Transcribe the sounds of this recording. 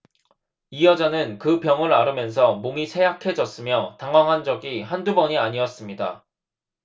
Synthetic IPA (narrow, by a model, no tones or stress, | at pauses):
ijʌd͡ʑanɯnkɯpjʌŋɯɭaɾɯmjʌns̬ʰʌmoŋisʰe̞jakʰe̞d͡ʑʌs͈ɯmjʌtaŋwaŋɦand͡ʑʌɡiɦandubʌɲiaɲiʌs͈ɯmɲida̰